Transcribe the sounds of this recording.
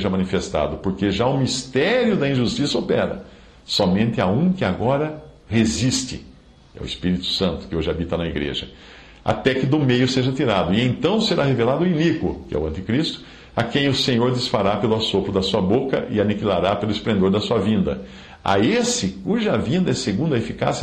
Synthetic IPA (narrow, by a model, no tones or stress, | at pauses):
ʒɐmɐ̃nifest̪a̰d̪ʊpoɾkeʒaʊmist̪ɛɾjʊd̪ɐĩʒust̪isɐopɛɾɐ̰ | sɔmẽnt̪ɪaũkɪaɡɔɾɐ | hezist̪ɪ̰ | ɛ̰w̰ɪspiɾit̪ʊ̥sɐ̃nt̪ʊ̥kɪoʒɪabit̪ɐnɐiɡɾḛʒɐ | a̰t̪ɛkɪd̪ʊmejʊseʒɐt̪iɾad̪ʊɪẽj̪̃t̪ɐ̃w̃seɾaɦevelad̪ʊinikʊ̰kɪɛ̰ʊ̰ɐ̃nt̪ɪkɾist̪ʊ̥ | akẽj̃ʊsẽɲoɾd̪ɪsfaɾapelʊasopɾʊd̪ɐsuɐbokɐ̰ʔɪanikilaɾapelʊɪsplẽnd̪oɾd̪ɐsuɐvĩnd̪ɐ̰ | a̰esɪkuʒɐavĩnd̪ɐɛseɡũnd̪ɐefika̰si